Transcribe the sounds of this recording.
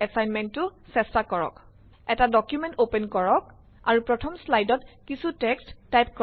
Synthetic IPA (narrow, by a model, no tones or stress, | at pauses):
ɛsajnmɛntːʊsɛstakɔɹɔ̰k | ɛtadɔkjumɛntopɛnkɔɹɔk̚ | a̰ɹupɹɔtʰɔmslajdɔtkisutɛkstːajp̚kɔ